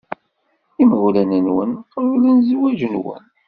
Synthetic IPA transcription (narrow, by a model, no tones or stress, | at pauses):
imlænənwə̰nqɾulənzwæʒənwə̰n